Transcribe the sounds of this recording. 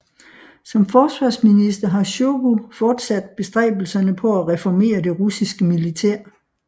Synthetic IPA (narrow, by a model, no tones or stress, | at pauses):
sɒ̽mfɒːsʋɑ̈ːsminisd̥ɐɦɑ̈ɕoɡufɒːd̥sæd̥̚b̥e̝sd̥ʁɛ̰ːb̥l̩sɐnəpʰɒ̽æʁɛfɒme̝̰ːɐd̥e̝ʁusisɡ̥əmilit͡sʰeɐ̰